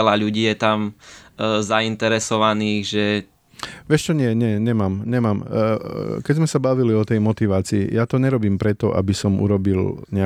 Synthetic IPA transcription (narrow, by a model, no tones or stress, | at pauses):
laʎuɟiːjɛt̪am | zaint̪ɛɾɛsɔʋaniːɣʒɛ | ʋɪɛʃt͡ʃɔɲɪɛɲɪɛɲɛmaːmɲɛmaːm | kɛɟzmɛsabaʋiliɔt̪ɛjmɔt̪iʋaːt͡sḭːjat̪ɔɲɛɾɔbiːmpɾɛt̪ɔʔa̰bisɔmṵɾɔbilɲɛa